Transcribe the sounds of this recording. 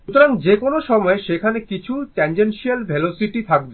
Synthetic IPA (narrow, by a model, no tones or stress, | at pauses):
ut̪oɾaŋd͡ʑekonoʃɔmɔeʃekʰanekit͡ɕʰuʈend͡ʑenʃialbʱelosiʈit̪ʰak̚be